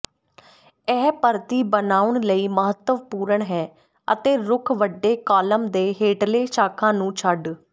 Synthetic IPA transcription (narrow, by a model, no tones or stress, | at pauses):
ɛːpəɾt̪iːbənaːʊɳləiːməɦət̪ːəʋpuːɾəɳɦɛː | ə̰t̪eːɾʊkʰʋəɖːeːkaːləmd̪eːɦeːʈleːʃaːkʰãːnũːt͡ʃʰəɖ